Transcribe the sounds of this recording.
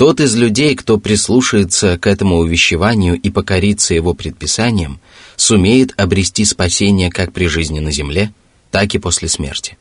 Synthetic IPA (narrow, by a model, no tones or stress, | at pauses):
t̪o̞t̪ɨzlʲʉdʲejkt̪o̞pɾʲɪslˠuʂəjɪt̪səkɛt̪əmʊʊvʲɪɕːɪvanʲɪjʊʔipəkɐɾʲit̪səjɪvo̞pɾʲɪt̪̚pʲɪsanʲɪjəm | sʊmʲejɪt̪ɐbɾʲɪsʲtʲispɐsʲenʲɪjəkak̚pɾʲɪʐɨzʲnʲɪnəzʲɪmlʲe | t̪akɨpo̞sʲlʲɪsmʲḛrtʲɪ̥